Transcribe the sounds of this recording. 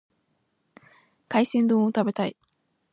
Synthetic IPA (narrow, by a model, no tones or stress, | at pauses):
kaisẽ̞nd̪õot̪abe̞t̪ai